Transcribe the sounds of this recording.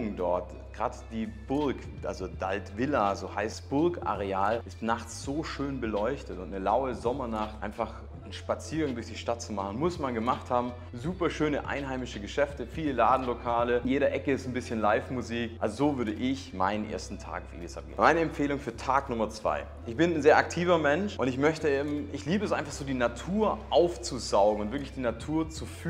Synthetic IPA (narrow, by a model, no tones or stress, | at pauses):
ŋdɔɐt | ɡ̥ʁaːdd̥iːb̥ʊɐk | ʔa̰lzod̥altvɪlazoːhaɪstb̥ʊɐkʔa̰ʁeaːlʔɪstnaχt͡sz̥oːʃøːnbəlɔʏçtətʊntnəlaʊəzɔmɐnaχtʔaɪnfaχ | n̩ʃpat͡siːɐɡaŋdʊɐçd̥iːʃtat̚t͡sumaχn̩mʊsmanɡəmaχthaːbm̩ | zuːpɐʃøːnəʔa̰ɪnɦaɪmɪʃəɡəʃɛftəfiːləlaːdn̩lokʰaːlənjeːɾɐʔɛkəɪstn̩bɪsçənlaɪfmuziːkʔalzozoːvʏɐɾəʔɪçma̰ɪnənʔḛːɐstn̩tʰa̰ːkaʊfḛːlisʔa̰p̚ɡ̥ḛːnmaɪnəɛmfeːlʊŋfyːɐtʰaːknʊmɐt͡sv̥a̰ɪ | ʔɪçb̥ɪnnzeːɐʔak̚tʰiːvɐmɛnʃʔʊntɪçmœçtəm̩ɪçliːbəɛs̬ʔaɪnfaχz̥oːdiːnatʰuːɐʔaʊft͡suzaʊɡŋ̩ʊntv̥ɪɐklɪçd̥iːnatʰuːɐt͡suf